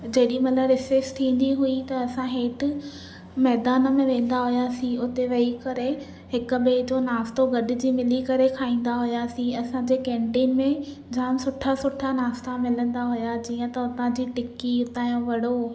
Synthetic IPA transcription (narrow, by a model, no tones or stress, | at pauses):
d͡ʑɐɦɪɗimɐt̪ləbɾɪsest̪ʰĩːn̆d̪iɦʊit̪ɐɐsãɦeːʈ | mɛːd̪aːnmẽʋẽːn̆d̪aɦʊjasĩʊt̪eʋɐikɐɾe | ɦɪkʊ̆ɓeːd͡ʑonaːst̪oɡɐɗɪ̆d͡ʑiːmɪlikɐɾekʰaːĩːn̆d̪aɦʊjasĩɐsãd͡ʑeːkẽːɳʈiːnmẽ | d͡ʑaːmsʊʈʰasʊʈʰanaːst̪amɪlə̃nd̪aɦʊjad͡ʑiːə̃t̪ɐʊt̪ãd͡ʑiːʈɪkiʊt̪aːjõʋɐɽo